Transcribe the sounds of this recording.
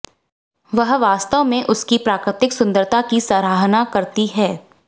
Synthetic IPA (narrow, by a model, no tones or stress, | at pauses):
ʋɐɦʋaːst̪əʋmẽʔʊskipɾaːkɾɪt̪ɪksʊ̃nd̪əɾt̪ʰakisaːɾaːɦnakɐɾt̪iɦɛː